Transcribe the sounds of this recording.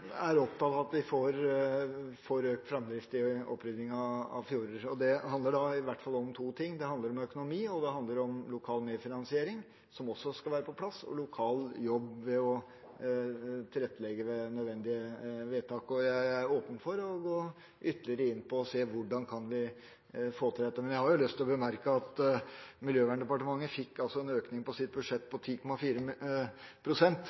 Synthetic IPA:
æɾɔp̚t̪ʰɑːt̪ɑt̪ʋɪfoɾ | fɔɾøːkt̪fɾɛmd̪ɾɪft̪ɪɔ̰pːɾʏd̪nɪŋɑɑ̰ʋfjuːɾəɾɔd̪ɛhɑnd̪əɖɑɪʋæʈːfɑlːɔmt̪ʰuːt̪ʰɪŋːd̪ɛhɑnd̪əɾɔmœkʊnʊmiːɔd̪ɛɦɑnd̪əɾɔmlʊkʰɑːlmeːfɪnɑnsɪeːɾɪŋ | sɔmɔsːɔskɑlʋæːɾəpʰɔpʰlɑsɔ̰lʊkʰɑːljɔbʋɛɔ | t̪ʰɪlɛt̪ːlɛɡːəʋɛnœd̪ʋɛnd̪ɪəʋeːt̪ʰɑːkɔjæɪæɾoːpən̩fɔɾɔɡoː | ʔʏt̪ːəlɪəɾəɪnːpʰɔːseːʋʊɖɑnkʰɑnʋɪ | foːt̪ʰɪld̪ɛt̪ːəmɛnjæɪhɑɾjʊlʏst̪ʰːɪlɔbəmæɾkəɑt̪mɪljøːʋæːɳɖ̪ɛpɑʈəmɑŋːəfɪkːɑlsɔɛnøːknɪŋpɔsɪt̪̚bʉdʂɛt̪ːpʰɔt̪ʰiːkʰɔmɑfiːɾə | pʰɾʊsɛnt̪

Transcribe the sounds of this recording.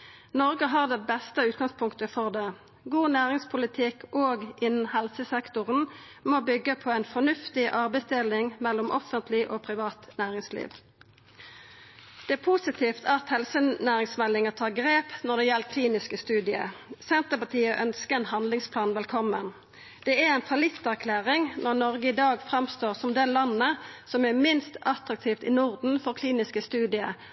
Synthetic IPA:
nɔʁɡəɦɑːʁd̪ɛbɛst̪əʉːt̪̚ɡɑŋspʰʊŋkt̪əfɔʁd̪ɛ | ɡuːnæːʁɪŋspʰʊlɪt̪ʰɪkʔoːɡɪnːn̩hɛlsəsɛkt̪ʊʁən | moːbʏɡːəpʰɔɛɪnfɔnʉft̪ɪʔɑʁbəsd̪elɪŋmɛlːʊmʔɔfənt̪ʰlɪʔoːpʰʁɪʋɑːt̪næːʁɪŋslḭːʋ | d̪̥ɛæːpʰusɪt̪ʰiːft̪ʰɑt̪hɛlsənæːʁɪŋsmɛlːɪŋət̪ʰɑːʁɡʁeːpnɔʁd̪ɛjɛlkʰliːnɪskəst̪ʉːd̪ɪə̰sɛnt̪əpɑt̪ʰiːəʔœnskəɛnhɑnd̪lɪŋspʰlɑːnʋɛlkʰɔmːən | d̪̥ɛæɛɪnfɑlɪt̪ːæʁkʰlæːʁɪŋnɔʁnɔʁɡəɪd̪ɑːɡfʁɑmst̪oːʁsɔmd̪ɛlɑnːəsɔmæʁmɪnst̪ɑt̪ʁɑk̚t̪ʰiːft̪ɪnʊʁd̪n̩fɔʁkʰliːnɪskəst̪ʉːd̪ɪə̰

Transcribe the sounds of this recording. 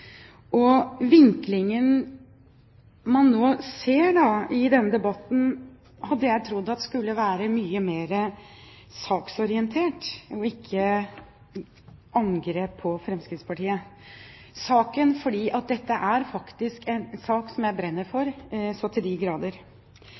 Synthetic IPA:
ʔɔʋɪŋklɪŋən | mɑnːoːseːɖɑɪd̪ɛnːəd̪ɛbɑt̪n̩ | hɑd̪ːəjæɪt̪ʰɾʊd̪ːɑt̪ɛskʉlːəʋæːɾəmyːəmeːɾə | sɑːksɔɾɪɛnt̪ʰeːʈɔɪkʰːə | ɑŋɡɾeːpʰːɔfɾɛmskɾɪt̪spʰɑʈiːə | sɑːkənfɔɖiːʔɑt̪̚d̪ɛt̪ːəʔæɾfɑkt̪ɪskɛnsɑːksɔmjæɪbɾɛnːəɾfɔɾsɔt̪ʰɪld̪ɪɡɾɑːd̪əɾ

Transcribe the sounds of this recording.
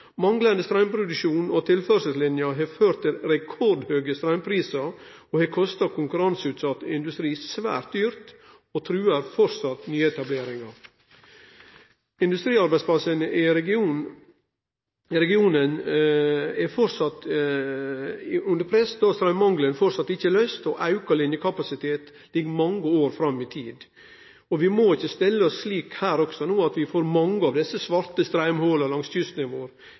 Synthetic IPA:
mɑŋlənd̪əst̪ɾæɪmpʰɾʊd̪ʉʃuːnot̪ʰɪlfœɾsəlslɪnjɑɦeføːɾt̪ɪlɾɛkʰɔɖhøːɡəst̪ɾæʏnpʰɾiːsɑ | oːhɑːkʰɔst̪ɑkʰʊŋkʉɾɑnsʉːt̪sɑt̪ːɪnd̪ʉst̪ɾiːsʋæ̰ːɾt̪̚d̪yːɾt̪ | oːt̪ʰɾʉːəɾfɔɾsɑt̪nyːɛt̪ɑbleːɾɪŋɑ | ɪnd̪ʉst̪ɾiːɑɾbæɪspʰlɑsənɪɾɛɡɪuːn | ɪɾɛɡɪuːnən | ɛfɔɾsɑt̪ | ʉnd̪əɾpʰɾɛsd̪ɑst̪ɾæɪmmɑŋɡlənfɔɾsɑt̪ːɪçːəlœʏst̪ɔʔɑʉkɑlɪnjəkʰɑpɑsɪt̪ʰeːt̪ | lɪɡːmɑŋːəoːɾfɾɑmːɪt̪ʰiːd̪ | ɔʋɪmoːɪçːəst̪ɪlːəɔssliːkhæːɾɔksɔnuːɑt̪ʋɪfoːɾmɑŋːəɑʋd̪ɛsːəsʋɑɾt̪əst̪ɾæɪmholɑlɑŋsçʏst̪nɪmoːɾ

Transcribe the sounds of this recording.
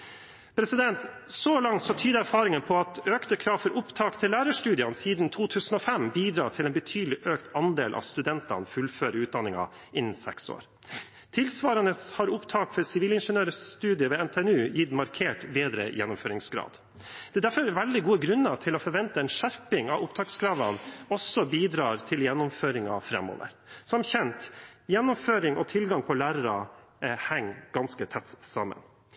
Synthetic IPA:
pʰɾɛsɪd̪ɛnt̪sɔlɑŋt̪sɔt̪ʰyːd̪əæɾfɑːɾɪŋənpʰɔɑt̪øːkt̪əkʰɾɑːʋfɔɾʔʊpt̪ʰɑːkt̪ʰɪlːæːɾəʂʈʉːd̪ɪɑnsiːd̪n̩t̪ʰuːt̪ʰʉːsən̩ɔfɛmbiːd̪ɾɑ̰ːt̪ʰɪleːnbət̪ʰyːd̪əlɪʔøːkt̪ɑnd̪ḛːlʔɑ̰st̪ʉd̪ɛnt̪ɑ̰nfʉlføːɾəʉːt̪̚d̪ɑnɪŋɑ̰ | ɪnːn̩sɛ̰kso̰ːɾ | t̪ʰɪlsʋɑːɾənəshɑɾʊpt̪ʰɑːkfɔɾsɪʋiːlɪnʂənøːɾəst̪ʉːd̪ɪəʋeːɛnt̪ʰeːɛnʉːjɪt̪mɑɾkʰeːʈbeːd̪ɾə̰jɛnːʊmføːɾɪŋsɡɾɑ̰ːd̪ | d̪̥ɛːd̪æɾfɔɾʋɛld̪ɪɡuːəɡɾʉnːət̪ʰɪlɔfɔɾʋɛnt̪əɛnʂæɾpɪŋɑ̰ʋʊpt̪ʰɑːksɡɾɑːʋɑnɔsːɔbiːd̪ɾɑːɾt̪ʰɪljɛnːʊmføːɾɪŋɑ̰fɾɛ̰mo̰ːʋə̰ɾ | sɔmçɛnt̪jɛnːʊmføːɾɪŋʔɔt̪ʰɪlɡɑŋpʰɔlæːɾəɾɑ | hɛŋːɡ̥ɑnskət̪ʰɛt̪ːsɑmːə̰n

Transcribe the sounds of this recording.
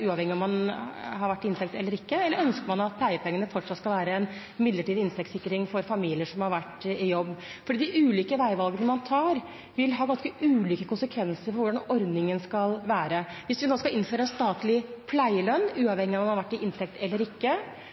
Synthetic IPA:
ʉːɑʋhɛŋːɪɔmːɑnhɑɾʋæʈːɪɪnt̪ʰɛk̚t̪ɛlːəɾɪkːəɛlːəɾœnskəɾmɑnɑt̪̚pʰlæɪəpʰɛŋːənəfɔʈʂɑt̪skɑʋæːɾəɛn | mɪd̪ləʈiːd̪ɪnst̪ɛkt̪sɪkːəɾɪŋfɔɾfɑmiːlɪəʂɔmhɑɾʋæʈːɪjɔbːfɔɖiːd̪æɪʔʉːliːkəʋæɪʋɑlˠɡənəmɑnt̪ʰɑːɾ | ʋɪlɦɑːɡɑnskəʔʉːliːkəkʰʊnsəkʰʋɛnsəɾfɔɾʋʊɖɑnɔɾd̪nɪŋənskɑlʋæːɾəʋɪsʋɪnoːskɑɪnføːɾəɛnst̪ɑːt̪lɪpʰlæɪəlœnːʉːɑʋhɛŋːɪɔmɑmhɑɾʋæʈːɪʔɪnt̪ʰɛkt̪ʰɛlːəɾɪkːə

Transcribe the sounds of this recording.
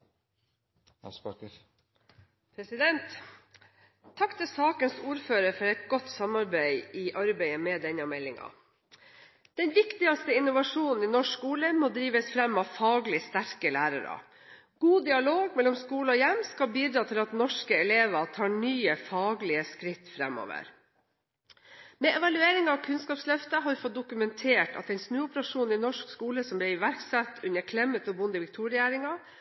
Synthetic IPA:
spɑkə | pʰɾɛsɪd̪ɛnt̪ | ɑkːt̪ʰɪlsɑːkənsuːɾføːɾəɾfɔɾɛɪt̪̚ɡɔt̪ːsɑmɑɾbæɪʔɪʔɑɾbæɪəmɛd̪ɛɲɑmɛlːɪŋɑ̰ | d̪̥ɛnʋɪkt̪ɪɑst̪əɪnʊʋɑʂuːnn̩iːnɔʂkuːləmoːd̪ɾiːʋəsfɾɛmːɑʋfɑːɡlɪst̪æɾkəlæːɾɑ̰ɾɑ̰ | ɡ̥uːd̪ɪɑloːɡmɛlːɔmskuːləɔjɛmːskɑlbiːd̪ɾɑːt̪ʰɪlɑt̪nɔʂkəɛleːʋɑt̪ʰɑːɳyːəfɑːɡlɪəskɾɪt̪ːfɾɛ̰mːɔ̰ːʋə̰ɾ | mɛʔɛʋɑlʉeːɾɪŋɑʋkʰʉnskɑːpslœft̪əɦɑɾʋɪfɔt̪̚d̪ʊkʉmɛnt̪ʰeːʈɑ̰t̪ɛɪnsnʉːʊpəɾɑʂuːnɪnɔʂkskuːləsɔmblɪɾɪʋæɾksɛt̪ːʉnːəkʰlɛmːət̪ɔbʊnd̪əʋɪkt̪ʰuɾɪæːɾɪŋɑ

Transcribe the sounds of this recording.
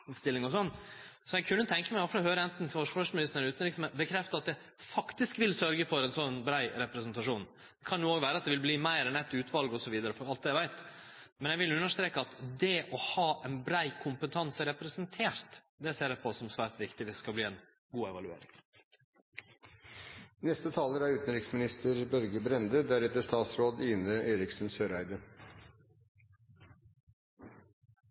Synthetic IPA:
st̪ɪlɪŋɔsɔnː | sɔjɛɡkʰʉnːət̪ʰɛŋkəmæɪɔfəhøːɾəɛnt̪n̩fɔʂfœʂmɪnɪst̪ənʉːt̪n̩lɪksɔmbəkʰɾɛft̪əɑt̪̚d̪ɛ | fɑkt̪ɪskʋɪlsœɾɡəfɔɾɛnsɔnːbɾæɪɾɛpɾɛsnt̪ɑʂuːn | d̪ɛkʰɑnjuːoːɡʋæːɾəɑt̪̚d̪ɛʋɪlbliːmæɪɾɛnɛt̪ːʉːt̪ʰʋɑlɡɔsɔʋiːd̪əɾəfɔɾɑlt̪̚d̪æɪʋæɪt̪mɛnjɛɪʋɪlʉnːəʂt̪ɾeːkəɑt̪d̪ɛʔɔhɑːʔɛnbɾæɪkʰʊmpət̪ʰɑnsəɾɛpɾɛsənt̪ʰeːɾt̪ | d̪ɛseːɾæpʰɔsɔmsʋæːɾʈ̪ʋɪkt̪ɪʋɪsskɑbliːɛn | ɡuːɛʋɑlʉḛːɾɪ̰ŋ | nɛst̪ət̪ʰɑːləɾæɾʉːt̪n̩ɾɪksmɪnɪst̪ʰəɾbœɾɡəbɾɛnd̪əd̪æɾɛt̪ːəʂt̪ɑːt̪sɾoːd̪iːnəʔeɪɾɪksnsøːɾæɪd̪ə

